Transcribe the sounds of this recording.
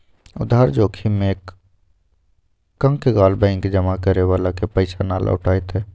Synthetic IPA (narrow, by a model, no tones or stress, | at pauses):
ʊ̰d̪ʱaːɾd͡ʒoːkʰimẽk | ə̃ŋkeɡaːlbɛ̃ɪŋkd͡ʒəmakəɾeʋaːlakepəɪsana̰ːlʔa̰ʊ̰ʈaːet̪ɦɛː